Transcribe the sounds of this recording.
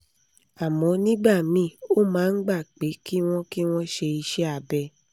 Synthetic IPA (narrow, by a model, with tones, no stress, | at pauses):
a˨mɔ̃˨˦nĩ˦ɡ͡ba˦˨mĩ˦˨o˦mãː˨˦n̩˦ɡ͡ba˦˨k͡pe˨˦ki˦w̃ɔ̃˦ki˦w̃ɔ̃˦ʃe˧i˧ʃɛ˦a˨bɛ˧